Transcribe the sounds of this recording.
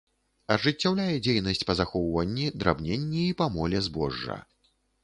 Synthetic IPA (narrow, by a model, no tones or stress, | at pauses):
ɐʐɨt͡sʲːawlʲajɛd͡zʲejnɐsʲt͡sʲpɐzaxɔwvɐnʲːid̪ɾʔabnʲenʲːiːpamɔlʲɛzbɔ̰ʐːɐ̰